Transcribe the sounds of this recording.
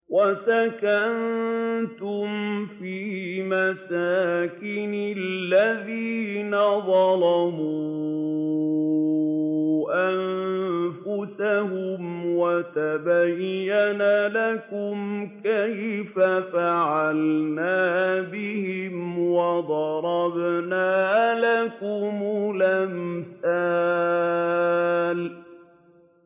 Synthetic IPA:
wasakant̪ʊmfiːmasaːkɪnɪlːaðiːnaðˤɑlɑmuː | ʔanfʊsahʊmwat̪abajːanalakʊmkajfafaʕalnaːbɪhɪmwɑd̪ˤɑɾˤɑbnaːlakʊmʊlamθa | l

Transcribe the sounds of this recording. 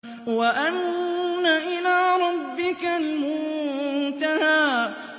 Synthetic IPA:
waʔannaʔɪlaːɾˤɑbːɪkalmʊnnt̪ahaː

